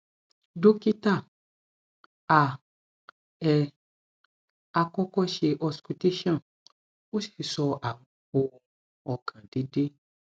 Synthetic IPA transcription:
do˦ki˦ta˦˨ | a˨ | ɛ˨ | a˧kɔ˦kɔ˦ʃe˧ʔɔ˧sku˧te˦ʃɔ̃˦˨ | o˦si̥˦i˨sɔ˧a˨w̃ɔ̃˧o˧ɔ˧ | ɔ˧kʰã˨de˨˦de˦

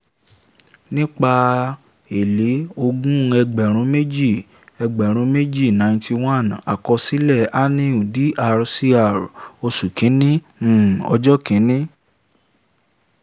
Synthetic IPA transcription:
nĩ˦k͡pa˧ | e˨le˨˦o˧ɡũ˦˧ɛ˧ɡ͡bɛ˨ɾ̃ũ˨˦me˦d͡ʒi˦˨ | ɛ˧ɡ͡bɛ˨ɾ̃ũ˨˦me˦d͡ʒi˦˨nã˧˨˧tʰi˧w̃ã˦˨na˨kɔ˧si˦lɛ˦˨a˦nĩ˦u˨di˨˦ʔa˧ɾsi˦a˦˨ɾo˧su˨kĩ˨˦nĩ˦˨ | ɔ̰˧d͡ʒɔ˦kĩ˨˦nĩ˦

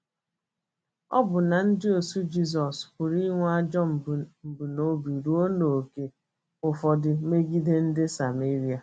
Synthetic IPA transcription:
ɔ̰˦bʊ˨na˨n̩˦dɪ˦o˨su˦d͡ʒi˦s̬ɔ˨skʷʊ˨ɾi˦ŋʷ˦a˦d͡ʒɔ˦m̩˨m̩˨bu˨no˨bi˨ɾu˦o˦no˨o˨ke˦ | ʊ˨fɔ˨dɪ˨me˦ɡi˦de˦n̩˦dɪ˦sa˨me˦ɾi˨˦a˨

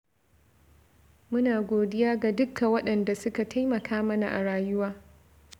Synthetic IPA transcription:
mʊ˦naː˨ɡʷoː˨dɪ˦jaː˦ɡa˨dʊ˦kʰːa˨wɐ˦ɗɐ˨nda˨sʊ˦ka˨tʰa˦jmɐ˨kʰaː˦mɐ˦na˨ʔa˨ɽaː˨jʊ˦waː˦

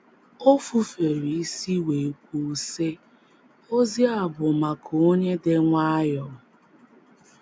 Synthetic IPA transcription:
o˦fu˨fe˨ɾi˨i˦si˦we˨k̚ʷu˨˦se˦ | o˦zi˦a˨bʊ˨ma˨kʰo˦ɲe˦dɪ˦ŋʷa˦jɔ˨˦

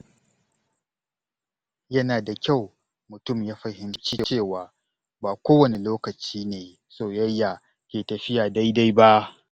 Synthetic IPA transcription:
jɐ˦naː˨da˨kʲa˦˨w | mʊ˨tʊ˦˨mjaː˦ɸɐ˨hɪ˦mt͡ʃi˦t͡ʃeː˦˨waː˨ | baː˨kʷoː˦wɐ˨ne˨loː˦kɐ˨t͡ʃiː˦neː˨ | soː˨jɐ˦jːa˨ | kʲeː˨tɐ˨ɸɪ˦jaː˨da˦jda˦jba˦ʔ

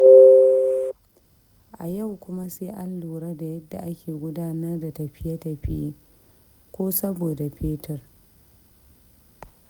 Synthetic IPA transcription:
ʔa˨jɐ˦˨wkʷʊ˦ma˦seː˦ʔa˦lːuː˨ɾɐ˦da˨jɐ˦dːa̰˨ʔa˦kʲeː˨ɡʷʊ˦daː˦nɐ˦rda˨tɐ˨ɸɪ˦ja˦tɐ˨ɸɪ˦jeː˦ | kʷoː˦sɐ˦boː˨da˨ɸeː˦tɐ˨r

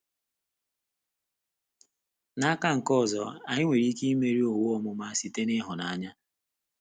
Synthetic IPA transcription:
na˦ka˦ŋ̩˨kɔ˦˨zɔ̰˨a˨ɲɪ˦ŋʷe˨ɾi˦ki˦i˦me˦ɾi˦o˨wʊ˦ɔ˦mʊ˨ma˦a˦si˨te˦nɪ˦ɦʊ˨na˨ɲa˦

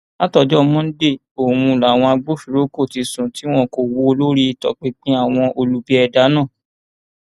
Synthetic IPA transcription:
a˦tɔ˨˧˨d͡ʒɔ˦mɔ̃˦n̩˦de˦˨ | o˨wũ˧la˨w̃ɔ̃˧a˧ɡ͡bo˦fi˨ɾo˦ko˦˨ti˧sũ˨ti˦w̃ɔ̃˦˨ko˨wo˦˧lo˦ɾi˦˧˦tɔ̰˧˨k͡pe˦k͡pĩ˦a˦˨w̃ɔ̃˧ʔo˧lu˦bi˦ɛ˧da˨˦nã˦˨

